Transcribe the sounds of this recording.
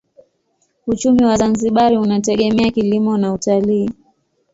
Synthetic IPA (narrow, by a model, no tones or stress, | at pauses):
ut͡ʃumiwazanziɓaɾiunatɛɠɛmɛakilimɔnautaliː